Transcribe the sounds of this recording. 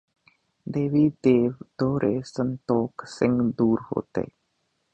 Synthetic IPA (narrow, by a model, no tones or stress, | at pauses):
d̪eːʋiːd̪eːʋd̪̥oːɾʔeːsənt̪oːksɪ̃ŋɡd̪uːɾho̰ːt̪ḛː